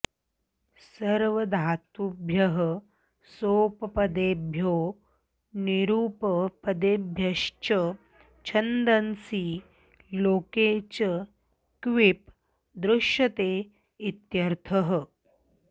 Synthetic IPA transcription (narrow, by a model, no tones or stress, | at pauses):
səɾʋəd̪ʱat̪ubʱjəɦə | soːpəpəd̪ebʱjoː | niɾuːpəpəd̪ebʱjɐʃt͡ʃə | t͡ɕʰənd̪ənsiː | loket͡ɕə | kʋip | d̪ɾuʃjɐt̪e | it̪jɐɾt̪ʰəɦə